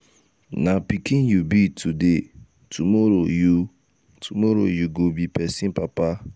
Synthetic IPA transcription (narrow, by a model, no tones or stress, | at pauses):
napikĩnjubitʰude | tʰumɔɾoju | tʰumɔɾo̰juɡobipɛsĩnpapa